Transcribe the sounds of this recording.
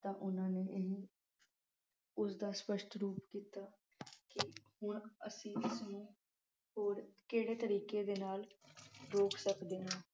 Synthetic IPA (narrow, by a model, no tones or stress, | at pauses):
t̪ãːʔʊnãːneːʔeɦiː | ʊsd̪aːspəʃʈɾuːpkiːt̪aː | kɪhʊɳə̰sĩːɪsnũː | ɦoːɾkeːɽeːt̪əɾiːkeːd̪eːnaːlɾoːkʰsəkd̪eːɦãː